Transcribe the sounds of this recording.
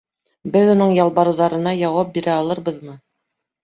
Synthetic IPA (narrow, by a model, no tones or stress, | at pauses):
bɘðunɤɴjɑlˠβɑɾɤ̆wðɑɾɤ̆nɑjɑwɑp̚biɾæɑlˠɤɾβɤðmɤ